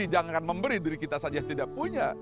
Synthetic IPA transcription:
id͡ʒaŋanməmbəɾidiɾikit̪asad͡ʒat̪idapuɲa

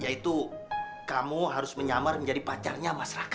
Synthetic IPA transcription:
jait̪ukamuɦaɾʊsməɲamarməɲd͡ʒadipat͡ʃa̰rɲamasaɾak

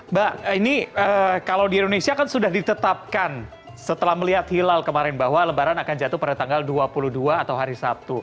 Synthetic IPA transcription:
bahiniəkalawdiindonesiaːkansudahdit̪ət̪ap̚kan | sət̪əlahməliɦat̪hilalkəmaɾɪnbaɦwaləbaɾanakand͡ʒat̪uhpadat̪aŋɡalduapuluhduaːt̪awɦaɾisap̚t̪u

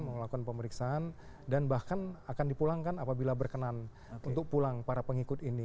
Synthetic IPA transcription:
məŋlakukanpəməɾiksaan | danbahkanakandipulaŋkanapabilabərkənan | unt̪ʊk̚pulaŋpaɾapəŋikʊt̪ini

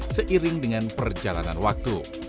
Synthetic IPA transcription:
səʔiɾɪŋdəŋanpərd͡ʒala̰na̰nwak̚t̪u

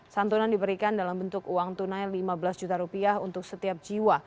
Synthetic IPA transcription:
sant̪unandibəɾikandalambənt̪ʊkuwaŋt̪unajlimabəlasd͡ʒut̪aɾupiaɦunt̪ʊk̚sət̪iap̚d͡ʒiwa

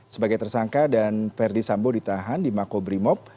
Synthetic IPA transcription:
səbaɡajt̪ərsaŋkadanfɛrdisambodit̪aɦandimakobɾimɔp̚

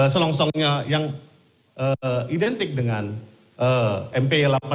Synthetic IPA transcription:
səlɔŋsɔŋɲajaŋ | ʔəidɛnt̪ɪk̚dəŋan | ʔəɛmpelapa

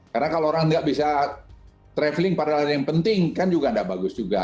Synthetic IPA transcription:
karənakalooɾaŋŋɡaʔbisa | t̪ɾɛflɪŋpadaladjaŋpənt̪ɪŋkand͡ʒuɡandaʔbaɡʊsd͡ʒuɡa

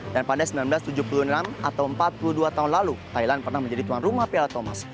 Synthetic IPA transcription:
danpadasəmbilanbəlast̪ud͡ʒupulunnanat̪awəmpat̪̚puluduat̪aɦunlalut̪ajlanpərnahməɲd͡ʒadit̪uanrumahpelat̪oma̰s

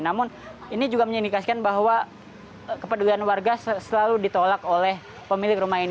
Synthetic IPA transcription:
namʊninid͡ʒuɡaməɲinikasi̥kanbaɦwa | kəpədulianwarɡassəlaludit̪olakolɛh | pəmilɪkrumaɦin

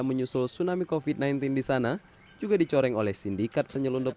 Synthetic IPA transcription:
məɲusʊlsunamikofid̚najnt̪indisana | d͡ʒuɡadit͡ʃɔɾɛŋolɛhsindikat̪̚pəɲəlundʊp̚

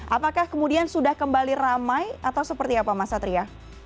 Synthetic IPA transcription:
ʔapakahkəmudiansudahkəmbaliramajat̪awsəpərt̪iapamasat̪ɾia

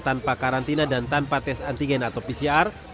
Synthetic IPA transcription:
t̪anpakaɾant̪inadant̪anpat̪ɛsant̪iɡɛnat̪awpisiar

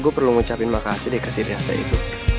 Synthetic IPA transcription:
ɡupərluŋut͡ʃapɪnmakasidikəsiɾiasa̰ʔḭt̪u

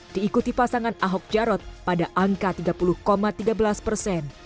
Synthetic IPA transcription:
d̥iːkut̪ipasaŋanaɦɔk̚d͡ʒaɾɔt̪̚padaʔaŋkat̪iɡapuluhkomat̪iɡabəlaspərsɛn

